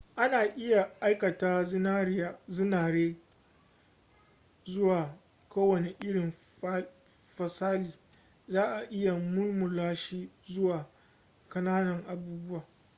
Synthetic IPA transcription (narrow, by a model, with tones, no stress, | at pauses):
ʔa˦naː˨ʔɪ˦ja˨ʔa˦jkɐ˨taː˦na˦a˦˨zɪ˦naː˨ɽeː˦ | zʊ˦waː˨ | koː˦wɐ˨ne˨ʔɪ˦ɽɪ˨m˦ | ɸɐ˨saː˦liː˨ | zaː˦ʔa˨ʔɪ˦ja˨mʊ˦lmʊ˨laː˦ʃiː˦zʊ˦waː˨ | kɐ˦naː˦nɐ˨ŋʔa˨buː˦bʊ˦waː˨